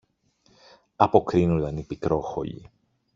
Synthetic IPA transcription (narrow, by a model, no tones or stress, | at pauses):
ɐpo̞kɾinud̪ɐnipikɾo̞xo̞̰ʎḭ